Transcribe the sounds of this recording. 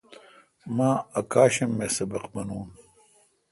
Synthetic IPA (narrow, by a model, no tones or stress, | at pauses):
maːɐkaːɕɐmːeːsɐbɐqbɐnuːn